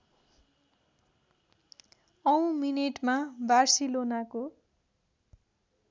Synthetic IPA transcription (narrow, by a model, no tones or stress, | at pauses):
ʌw̃mineʈmabarsilonako